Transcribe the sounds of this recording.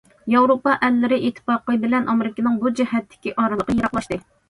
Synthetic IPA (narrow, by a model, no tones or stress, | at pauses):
jɑwɾopɑʔɛlːɪɾɪʔet̪ʰːɨ̥pɑqəbɪlɛnʔɑmeɾɪkʲinɪŋbud͡ʒihɛt̪ʰːɪ̥kʲiʔɑːɾɨlˠəqəjɑɾɑqlˠɑʃt̪ɨ